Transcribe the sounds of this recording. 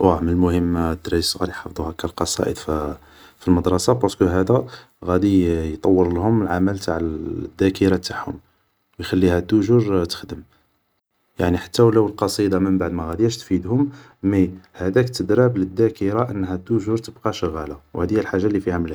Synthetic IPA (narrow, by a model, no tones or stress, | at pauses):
wæməlmʊhəmːd̪ɾisɣɑɾijħɑfd̪ˤuhækːælqɑsˤɑ̰ʔəd̪f | filməd̪ɾˤɑsɑbɑskuɦæd̪æ | ɣæd̪ijt̪ˤɑwːəɾlhʊməlʕaməlt̪aʕəd̪ːækəɾɑt̪aħhʊ̰m | wjxælːihæt̪ːʊʒuɾt̪ə̥xd̪əm | jaʕniħḁt̪ːæwlæwəlqɑsˤid̪ɑməmbaʕd̪mæɣæd̪jæʃt̪fid̪hʊm | mihæd̪ækt̪əd̪ɾæbləd̪ːækəɾaʔənːɦæt̪ːʊʒuɾt̪əbqɑʃəɣælawhæd̪əjælħaʒːalːifihæməl